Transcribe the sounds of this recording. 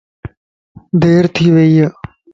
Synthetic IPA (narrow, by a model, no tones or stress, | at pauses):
d̪ʱeːɾt̪ʰiːʋeijə